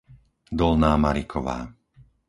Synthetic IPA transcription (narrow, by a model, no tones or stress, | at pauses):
d̪ɔlnaːmaɾikʰɔʋa̰ː